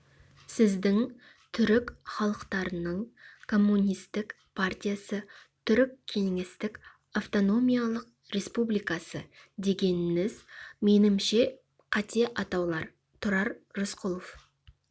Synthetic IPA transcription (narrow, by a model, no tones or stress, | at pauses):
sɪzd̪ɪŋ | t̪ʰʏɾɪkχɑlˠəqt̪ɑɾənəɴkʰo̞mːunʲijst̪ɪk | pʰart̪ʲijasət̪ʰʏɾɪkʲʰːe̞ŋest̪ɪk | aft̪o̞no̞mijalˠəq̚ | ɾe̞spublijkɑsəd̪e̞ɡʲe̞nɪnɪzme̞nɪmʃe̞ | qʰɑt̪eʔɑt̪ɑwlˠɑɾ | t̪ʰʊɾɑɾʒʊsqʰʊlˠof